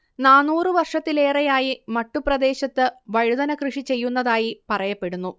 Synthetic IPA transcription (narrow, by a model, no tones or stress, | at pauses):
naːnːuːrɨʋɐrʂɐt̪ːile̞ːrɐjaːjimɐʈːuprɐd̪e̞ːɕɐt̪ːɨʋɐɻud̪ɐnɐkrɨʂit͡ɕe̞jːunːɐðaːjipɐrɐjɐpːe̞ɽunːu